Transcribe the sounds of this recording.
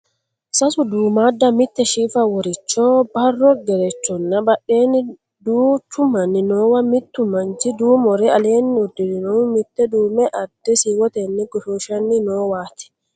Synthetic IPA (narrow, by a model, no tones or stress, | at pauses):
sasuduːmadːamit̪ːɛʃiːfawɔɾit͡ʃːɔbarːɔɡɛɾɛt͡ʃːɔnːabaɗːeːni | duːt͡ʃumanːinɔwamit̪ːumantid̪uːmɔɾɛaleːnːiudininɔmit̪ːɛduːmɛʔadːɛsiwɔt̪ɛnːiɡɔʃoʃanːinɔwaːt̪i̥